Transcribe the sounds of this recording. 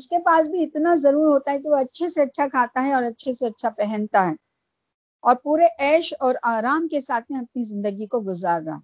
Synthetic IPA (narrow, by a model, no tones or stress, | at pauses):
ʊskepaːsbʱiɪt̪nazɐɾuːɾɦoːt̪aɦɛk̬iʋoɐtːʃʰeseɐtːʃʰakʰaːt̪aɦɛɔːɾɐtːʃʰeseɐtːʃʰapɛɦɛ̃nt̪aɦɛː | ɔːɾpuːɾeʔɛːʃɔːɾaːɾaːmkesaːt̪ʰmẽɐp̚nizɪ̃nd̪əɡikoɡʊzaːɾːa̰ː